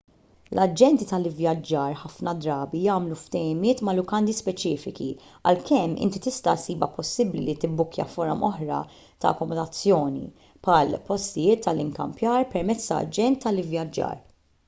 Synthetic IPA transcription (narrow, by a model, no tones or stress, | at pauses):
lʔɐd͡ʒɛnt̪it̪ɐlɪvjɐd͡ʒːɐːɾħɐfnɐd̪ɾɐːbijɐːmluft̪ɛjɪmɪːt̪mɐlʊkɐnd̪ispɛt͡ʃiːfɪkiɐ̰lkʰɛmːʔɪ̰nt̪it̪ɪst̪ɐsiːbɐ̰pɔsːɪblilit̪ɪbːʊkjɐ̰fɔɾɔmʔɔħɾɐ̰ | t̪ɐ̰ɐ̰kːɔmɔd̪ɐt͡sːjɔːnḭ | pħɐːlpɔst̪ɪjɪːt̪ʰːɐlɪŋkɐ̰mpjɐːɾpɛɾmɛt͡sːt̪ɐ̰ɐ̰d͡ʒɛnt̪ːɐlɪvjɐd͡ʒːɐ̰ːɾ